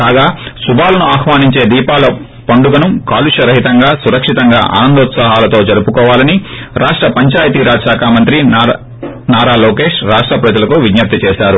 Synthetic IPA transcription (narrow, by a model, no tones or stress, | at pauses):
kaːɡaːsubaːlɐnuaːxʋaːniɲt͡ʃe̞ːd̪iːpaːlɐ | pɐɳɖuɡɐnumkaːluʂɐɾɐɦit̪ɐŋɡaːsuɾɐkʂit̪ɐŋɡa̰ːʔa̰ːnɐnd̪ɐt̪saɦaːlɐt̪o̞ːd͡ʒɐɾupukɔːʋaːlɐniɾaːʂʈɾɐpɐɲt͡ʃaːjɐt̪iɾaːd͡ʒʃaːkʰaːmɐnt̪ɾi | naːɾaːlɔːkeːʂɾaːʂʈɾɐpɾɐd͡ʒɐlɐkuʋid̪jɐp̚t̪it͡ʃɛːʃaːɾu